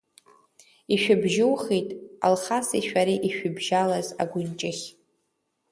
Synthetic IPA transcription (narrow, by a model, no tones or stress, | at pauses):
iʃᶣʊbʒɪwχejtʼa̰lχasḭʃᶣaɾiʔiʃᶣʊbʒalazaɡʷʊnt͡ʃʼɪχʲ